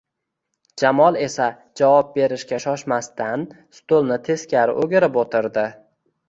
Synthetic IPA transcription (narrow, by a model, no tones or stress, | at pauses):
d͡ʒamɒlˠe̞sa | d͡ʒavɒp̚be̞ɾɪʃkʲaʃɒʃmast̪ʰan | st̪olˠnɪt̪ʰe̞skʲaɾɪ̰ʔoɡʲɪɾɪpot̪ʰɪɾd̪ɪ